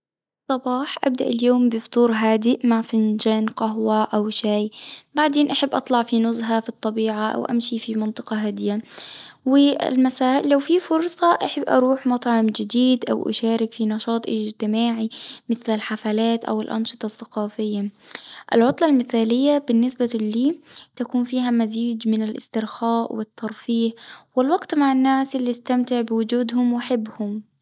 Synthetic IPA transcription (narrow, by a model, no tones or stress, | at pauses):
sˤɑbɑːħʔa̰b̚d̪aʔɪljoːmbɪft̪ˤuːɾɦaːd̪ɪʔmaʕfɪnd͡ʒaːnqaɦwaʔawʃaːjbaʕd̪eːnʔaħɪbːʔɑt̪ˤlɑʕfinʊzɦafit̪ˤːɑbiːʕaʔa̰wʔa̰mʃifimɑnt̪ˤɨ̥qɑɦad̪ɪjawɪ̰lmasaːlawfifʊɾsˤɑʔaħabːʔɑ̰ɾˤuːħmɑt̪ˤʕɑmd͡ʒɪd̪iːd̪ʔa̰wʔa̰ʃaːɾɪkfinɑʃɑːt̪ˤʔɪd͡ʒt̪ɪmaːʕimɪθlɪlħafalaːt̪ʔa̰wɪlʔɑ̰nʃɨ̥t̪ˤɑθːaqɑːfɪjːaʔɪ̰lʕʊt̪ˤlɑlmɪθaːlɪjːabɪnːɪsbaliːt̪akuːnfiːɦamaziːd͡ʒmɪnalʔɪ̰st̪ɪɾxaːʔwɪt̪ʰːɑɾˤfiːhwɪlwɑɡt̪maʕanːaːsʔɪlːiʔast̪amt̪ɪʕbɪwʊd͡ʒuːd̪hʊmwʔaħɪbːhʊm